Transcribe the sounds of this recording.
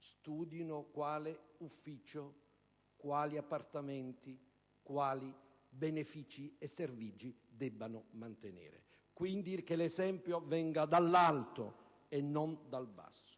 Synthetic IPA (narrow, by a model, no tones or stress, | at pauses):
st̪uːd̪inokwaːleufːiːt͡ʃo | kwaːliapːart̪amɛnt̪i | kwaːli | benefiːt͡ʃiesːervid͡ʒid̪ɛbːanʊmant̪enḛːɾḛ | kwind̪ik̟elezɛmpjovɛŋɡad̪alːalt̪o̰ | enːond̪alba̰sːo̥